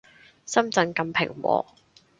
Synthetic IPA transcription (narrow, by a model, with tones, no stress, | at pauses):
sɐ˥mt͡sɐ˨˥nkɐ˧mpʰɪ̰˨˩ŋwɔ̰ː˨˧